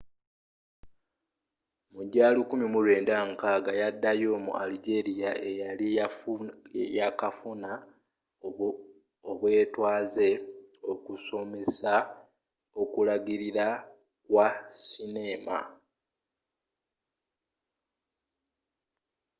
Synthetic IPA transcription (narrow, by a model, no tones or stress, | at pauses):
muɟaːlukumimulwe̞ːndaŋkaɡajadːajo̞mṵʔa̰liɡe̞ɾijaʔejali | jakafuna | oβwe̞ːtwaːze̞o̞kuso̞me̞sa | o̞kulaɡiɾiɾa | kwasine̞ːma̰